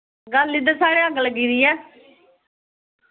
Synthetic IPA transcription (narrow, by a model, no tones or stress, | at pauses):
ɡəlːid̪əɾsaːɽeəɡələɡiːɾiːɛː